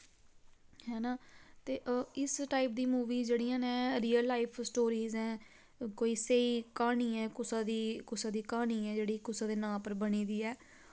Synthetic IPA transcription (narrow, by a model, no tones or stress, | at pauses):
hɛːnaːt̪eːʔɪsʈaːɪp̚d̪iːmuːʋiːd͡ʒeːɽijãːnẽːɾiːəlːaːɪpʰsʈoːɾiːzɛ̃ː | koːiːseiːkaːɳiːɛːkʊsaːd̪iːkʊsãːd̪iːkaːɳiːɛːd͡ʒeːɽiːkʊsaːd̪eːnãːpəɾbəniːd̪iːɛː